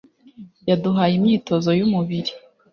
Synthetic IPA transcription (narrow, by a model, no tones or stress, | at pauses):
jaduɦaːjimɲiːto̞zo̞jumuβiɾi